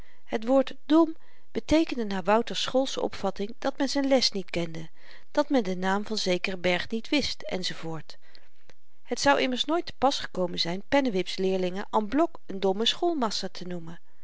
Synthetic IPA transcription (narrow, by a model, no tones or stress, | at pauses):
hətʋʊːɹt | dɔm | b̥ətejkəndənaːʋʌwtəɹsχolˠsɔ̰pfɑtɪŋd̥ɑtmɛnzɛjnlɛstnitkɛndə | d̥ɑtmɛndənaːmvɑnzejkərəbɛɹχnitʋɪstɛ̰nzovʊːɹt | hɦətsɑwʔɪməɹsnojtə̥pɑsχə̥kowmənzɛjnpɛnəʋɪpslɪːɹlɪŋənʔanblɔkəndɔməsχolˠmɑsaːtʰənumən